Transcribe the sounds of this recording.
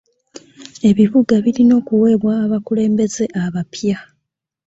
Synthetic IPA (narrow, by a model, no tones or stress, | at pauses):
e̞βiβuɡaβilino̞ːkuwe̞ːβwaːβakule̞ːmbe̞ze̞ʔaβapja